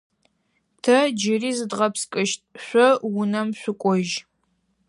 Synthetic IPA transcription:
tʰɐd͡ʒɪriːzɨdʁɐpskʼɨʃtʼɕʷɔwʊnɐmɕʷʊkʷʼɔʒ

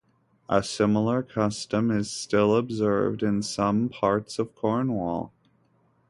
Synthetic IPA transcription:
ʔəsɪ̃ml̩ˠə˞kʰʌstɨ̃mɪz̥stɪlˠəbzɜ̰˞vdɨ̃nsʌ̃mpʰɑɹtsʌv̥kʰɔɹnwɔ̰lˠ

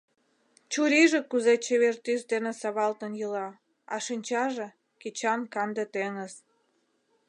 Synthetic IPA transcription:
t͡ɕuɾiʒekuzet͡ɕeβert̪ysd̪enĕsɑβɑlt̪ənjəlɑ | ɑ̰ʃinʲt͡ɕɑʒe | ket͡ɕɑnkɑnd̪et̪eŋəz

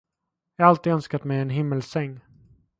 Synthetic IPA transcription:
jɑhaɾalt̪iːd̪œnskat̪mɛjɛnɦɪmːəlsɛŋː

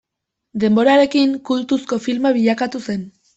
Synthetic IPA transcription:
d̪e̞mbo̞ɾaɾe̞kiŋkult̪usko̞filmaβiʎakat̪use̞n

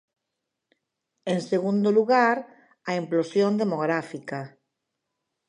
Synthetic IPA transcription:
ẽnseɣund̪oluɣaɾ | ɐimplosjõnd̪emoɣɾafika

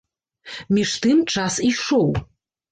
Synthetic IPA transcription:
miʂt̪ʰɨmʈ͡ʂʰasiʂow

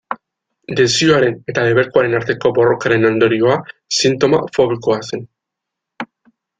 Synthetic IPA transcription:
d̪e̞sioaɾe̞ne̞t̪aðe̞βe̞ɾkoaɾe̞naɾt̪e̞ko̞bo̞ro̞kaɾe̞nond̪o̞ɾio̞asint̪o̞ma̰fo̞β̞iko̞ase̞n

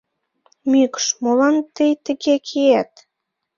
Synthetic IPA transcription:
mykʃmolɑnt̪əjt̪ə̆ɣekʰeæt̪

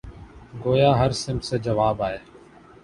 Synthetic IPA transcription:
ɡoːjaːɦəɾsɪmseːd͡ʒəʋaːbaːeː

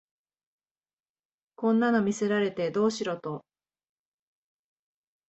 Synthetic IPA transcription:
kõ̞nːano̞mʲise̞ɾaɾe̞t̪e̞d̪o̞ːɕiɾo̞t̪o̞

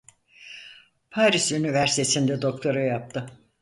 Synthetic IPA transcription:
pʰaːɾisønyvæɾst̪esind̪ɛd̪o̞kt̪ʰo̞ɾajap̚t̪ʰɯ

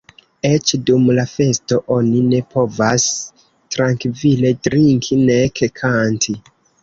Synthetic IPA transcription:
et͡ʃdumlafe̞sto̞ʔo̞nine̞pʰo̞vas | tɾaŋkvile̞dɾiŋkʰinekekʰantʰi

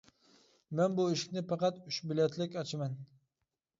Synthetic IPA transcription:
mɛnbuiʃɪ̥kʲnɪpɑqɑt̪ʊʃbɪlɛt̪ʰlɪkʲɑt͡ʃʰmɛn

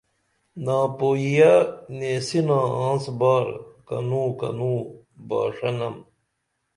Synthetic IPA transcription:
nãːpoːijaneːsinãːãːsbaːɾkɐ̰nũːkɐ̰nũː | ba̰ːʂɐnɐm

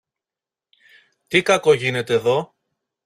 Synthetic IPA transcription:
t̪ikɐko̞ʝine̞t̪e̞ːðo̞

